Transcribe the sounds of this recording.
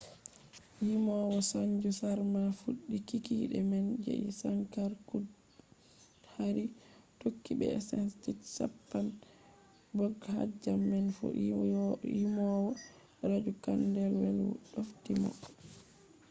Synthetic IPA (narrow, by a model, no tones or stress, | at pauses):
himɔwɔsaɲd͡ʒusaɾmafuɗːikikiɗɛmɛnd͡ʒḛʔḭsankaɾkud | haɾitokːibɛ̰sɛnstitsa̰pːan | bɔɡha̰d͡ʒamːɛnfɔ̰ | imɔwɔ | ɾad͡ʒukandɛlwɛlɗoftimɔ̰